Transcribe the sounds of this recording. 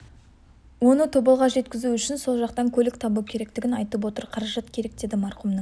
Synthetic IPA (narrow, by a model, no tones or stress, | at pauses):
wo̞nət̪ʰobɑlˠʁɑʒe̞t̪kʲɪzuʏʃɪnso̞lˠʒɑqt̪ɑŋkʲʰɵlɪkt̪ʰɑbukʲʰe̞ɾe̞k̚t̪ɪɡʲɪnɑjt̪əpwo̞t̪əɾqʰɑɾɑʒɑt̪kʲʰe̞ɾe̞k̚d̪e̞d̪ɪmɑɾqumnə